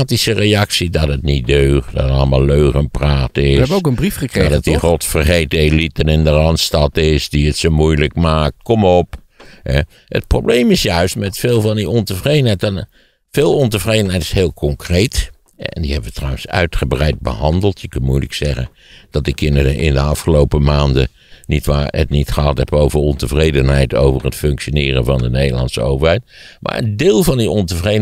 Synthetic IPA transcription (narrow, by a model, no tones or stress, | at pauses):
aːtisərejɑksidɑtətnitdøːχdɔtətɑ̰lˠəma̰ːlˠløːχənpraːtɪsokənbrifχəkradɑtiχɔtfərχejtəelitənɪndərɑntstɑtɪsdiətsomujləkmaːk̚t̚kɔmɔp | hɛ̰ | ə̰t̚prowbleːmɪsjœɥstmɛtfeːlˠvɑndiɔntəvrejdənɦɛjtɛn | feːlˠɔntəvrejdənɦɛjtɪ̥shɪːlˠkʰɔŋkrejt | ɛ̰ndihɛbəʋətrɑwənsœ̰ɥtχəbrɛjd̚bəhɑndəl̩ˠtjəkənmujlə̰ksɛχən | d̥ɑtɪkɪnɪ̰ndəɑfχəlowpəmaːndə | nitʋaːə̰tnitχəɦɑtɦɛpowvərɔntəvrejdənɦɛjto̰wvərətfɵŋkʃjonɪːrə̰nvɑndənejdəlˠɑ̰nsəo̰wvəɹɦɛjtmʔa̰ːɹə̰ndɪːlˠvɑndiʔɔntəvrej